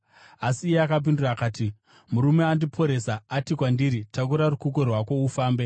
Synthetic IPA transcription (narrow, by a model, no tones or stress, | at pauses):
asiːjeakap̬induraːkaːti | muɾume̞andipʰo̞ɾesaatikwandiɾitak̬uɾarukuk̬o̞rwako̞ufaːmbe